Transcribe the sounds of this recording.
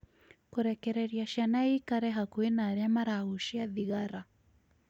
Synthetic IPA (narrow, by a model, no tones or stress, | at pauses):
kuɾɛkɛɾɛɾjaʃanaikaɾɛɦakuenaɾjamaɾaɣuʃiaðiɣaɾa